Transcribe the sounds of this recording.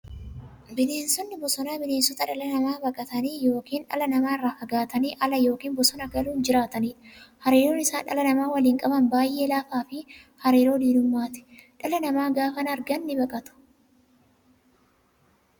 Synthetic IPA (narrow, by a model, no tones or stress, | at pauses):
bɪle̞ːnsɔnːɪbɔsɔnaːbɪne̞ːnsɔt̪ɐᶑɐlɐnɐmaːbɐkʼɐt̪ɐniːjo̞ːkiːnᶑɐ̰lɐnɐmaːɪrːaːfɐɡaːt̪ɐniːʔɐlɐjo̞ːkiːnbɔsɔnɐɡɐluːnd͡ʒɪɾaːt̪ɐniːᶑɐhɐɾeːɾoːnɪsaːnᶑɐ̰lɐnɐmaːwɐliːŋkʼɐbɐnbaːjʔeːlaːfaːfɪ | hɐɾeːɾo̞ːd̪iːlʊmːaːt̪ɛ̥ᶑɐlɐnɐmaːɡaːfɐnɐɾɡɐnːɪbɐkʼɐt̪ʊ̥